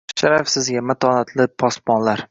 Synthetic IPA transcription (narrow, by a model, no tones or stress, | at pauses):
ʃaɾafsɪzɡʲamat̪ʰɒːnat̪ʰlɪpʰɒspɒnlaɾ